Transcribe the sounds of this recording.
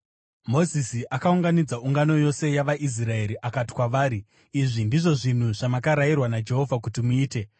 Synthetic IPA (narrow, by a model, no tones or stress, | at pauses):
mo̞zisiʔakauŋɡanid͡zauŋɡano̞jo̞se̞jaʋaʔis̬rae̞ɾiʔakati̥kwaʋaːɾiː | ʐindiʐo̞ʐin̤uʐ̥amakaɾairwanad͡ʒe̞ɦo̞vʱakutimuiːte̞